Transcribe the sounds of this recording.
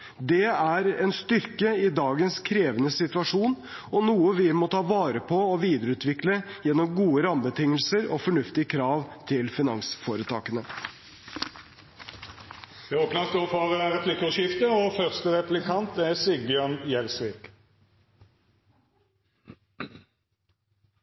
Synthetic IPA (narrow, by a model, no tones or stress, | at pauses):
d̪ɛæɾɛnst̪ʏɾkəɪd̪ɑːɡənskʰɾeːʋənəsɪt̪ʋɑʂuːn | ɔnuːəʋɪmɔt̪ʰɑːʋɑːɾəpʰɔːʋiːd̪əɾʉːt̪ʋɪkləjɛnːɔmɡuːəɾɑmbət̪ʰɪŋːəlsəɾɔ̰fɔɳʉft̪ɪəkʰɾɑːʋt̪ʰɪlfɪnɑŋsfoːɾət̪ʰɑ̰ːkənə | d̪̥ɛoːpnɑst̪oːfɑʁəæʁɛpʰlɪkəʃɪft̪əɔfœʁst̪əʁɛplɪkʰɑnt̪æsɪɡ̚bjœnjɛlsʋɪːk